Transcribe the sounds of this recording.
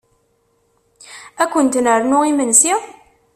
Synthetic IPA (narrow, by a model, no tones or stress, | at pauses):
ækʷːənt̪nəɾnʊimənsi